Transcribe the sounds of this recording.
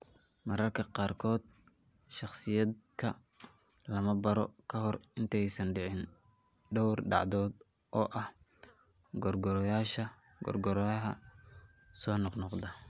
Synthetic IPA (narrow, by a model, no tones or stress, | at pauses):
mɐɾɐrkʰɐqɑːrkʰɔːd̪̚ | ʃɑχsɪjɐd̪kʰɐ | lɐmɐbɐɾɔ̰kʰɐɦɔrɪnt̪ʰɛjsɐnɖɪʕɪn | ɖɔwrɖɑ̰ʕd̪ɔːd̪ | ʔɔːʔɐh | ɡɔrɡɔɾjaːʃɐ | ɡɔ̰rɡɔɾɐɦɐ̰ | sɔːnɔqnɔqd̪ɐ